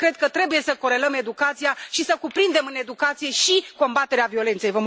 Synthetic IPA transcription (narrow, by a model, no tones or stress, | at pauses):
kɾe̞d̪̚kət̪ɾe̞buje̞səko̞ɾe̞ləme̞d̪ukat̪sijaʃisəkupɾind̪e̞mɨne̞d̪ukat̪sije̞ʃiko̞mbat̪e̞ɾeavio̞le̞nt̪se̞jvəm